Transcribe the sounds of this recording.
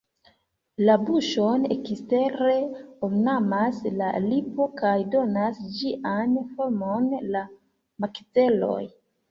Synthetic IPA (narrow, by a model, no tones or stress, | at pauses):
labuʃo̞nḛkiste̞ɾe̞omnamaslalipo̞kajdo̞nasd͡ʒiʔanfo̞ɾmo̞nla | makit͡se̞lo̞̰j